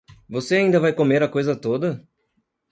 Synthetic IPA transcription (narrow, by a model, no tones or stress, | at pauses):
voseaĩnd̪ɐvajkomeɾɐkojzɐt̪od̪ɐ